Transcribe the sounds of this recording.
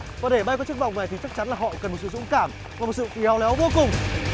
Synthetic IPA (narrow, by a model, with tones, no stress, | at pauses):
vaː˨˩ɗe˧˩ɓa˧jkɔ˨˦t͡ɕɨ˦˥kvɔ̰˧˨ŋ͡mna˨˩jt̪ʰi˨˩t͡ɕa˦˥k̚t͡ɕa˨˦nlaː˨˩ɦɔ̰˧˨kə˨˩nmo˨˩t̚sɨ̰˧˨zʊ̰˧˥ŋ͡mkaː˧˩m | vaː˨˩mo˨˩t̚sɨ̰˧˨fi˨˩ha˨˦wlɛ˨˦wvo˧kʊ˨˩ŋ͡m